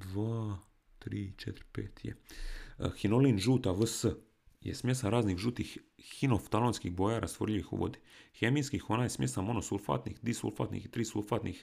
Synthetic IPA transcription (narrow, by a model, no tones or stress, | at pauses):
d̪ʋaː | t̪ɾiːt͡ʃet̪ɾpḛːt̪jḛ | xinoliːnʒuːt̪aʋəsə | jḛsmʲjesaɾaːznixʒuːt̪ixːinoft̪alonskixbojaːɾʔast̪ʋoɾʎiʋixṵʋo̰d̪i̥xemiːskixonaːjesmjesamonosulfa̰t̪nḭxd̪isṵlfa̰ːt̪nḭxit̪ɾiːsulfat̪nix